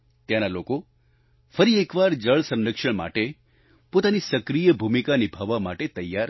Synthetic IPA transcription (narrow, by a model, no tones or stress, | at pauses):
t̪janaloko | fəɾiekʋaɾd͡ʒəɭsə̃nɾəkʃəɳ̃ma̰ʈe | pot̪anisəkɾijəbʱumikanibʱaʋːamaʈet̪əjːa